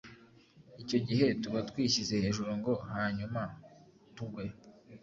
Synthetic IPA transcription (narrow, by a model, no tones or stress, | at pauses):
ico̞ɟiɦe̞tuβatwiːɕize̞he̞ʒuɾoŋɡo̞haːɲuma | tuɡwe